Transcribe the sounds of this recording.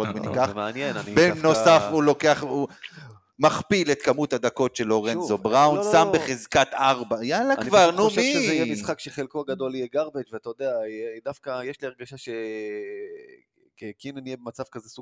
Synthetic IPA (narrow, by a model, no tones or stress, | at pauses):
od̪menikaχmanjennbenosafulo̞keaχu | maχpilet̪kamut̪had̪ako̞tʃe̞lo̞ʁenzobʁawunsambeχezkat̪aʁbajalakvaʁnumijɛmisχakʃeχelkoaɡad̪o̞lijeɡaʁbetveat̪ajod̪ead̪afkajeʃliaʁɡaʃaʃe | ekinanijebemat͡sav̥kazesu